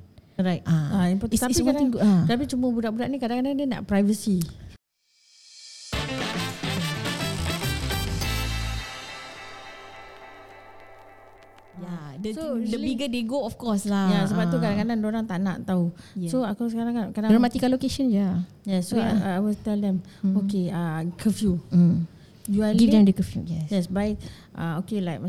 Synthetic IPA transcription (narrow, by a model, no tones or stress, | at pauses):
ɾajt̚aaimpɔt̪t̪aikadat̪ap̬it͡ʃuməbudaʔbudaʔnĩkadãŋkadandəna̰ʔpɾajvəsi | a | jadsodəbiɡədeɡoɔfkɔslajasəbap̪̚ukadaŋkadãndoɾaŋt̪ana̰ʔt̪ausoakɔsəkaɾãŋakadãŋɾəmat̪ikalokeʃə̃nd͡ʒa | jɛsːoajwilt̪ɛldɛm | okeakʰəfju | juaɡlivdɛmdəkəfjṵjɛjɛsbaɪk̚ | ʔa̰okelajkma